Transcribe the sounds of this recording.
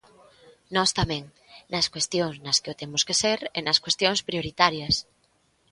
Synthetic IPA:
nɔst̪amɛ̃ŋ | nɐskwest̪joŋsnɐskeot̪emʊskeseɾenɐskwest̪joŋspɾijoɾit̪aɾjɐs

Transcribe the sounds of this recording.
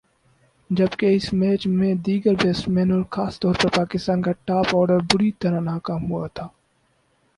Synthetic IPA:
d͡ʒɐbkeɪsmɛːt͡ʃmẽd̪iːɡəɾbeːsʈmɛːnəlxaːst̪ɔːɾpɐɾpaːkɪst̪aːnkaʈaːpɔːɾɖəɾbʊɾit̪ɐɾanaːkaːmɦʊa̰t̪ʰaː

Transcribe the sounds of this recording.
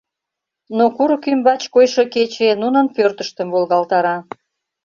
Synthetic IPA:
nokuɾkymbɑt͡ɕkojʃo̽ket͡ɕenunə̆npørt̪əʃt̪əmvolɣɑlt̪ɑɾɑ

